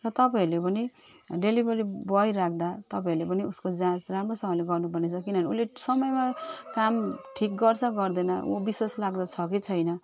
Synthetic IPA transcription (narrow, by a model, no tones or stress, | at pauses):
rʌt̪ʌpãiɾlepʌni | ɖelibʌɾibʌjrak̚ʰd̪at̪ʌpãiɾlepʌniuskod͡zãsramrosʌmʌleɡʌrnubʌrnet͡sʰʌkinʌniulːesʌmʌjmakamʈʰik̚ɡʌrt͡sʰʌɡʌrd̪ʌnʌ̰o̰biseslaɡd̪ʌt͡sʰʌkit͡sʰʌjnʌ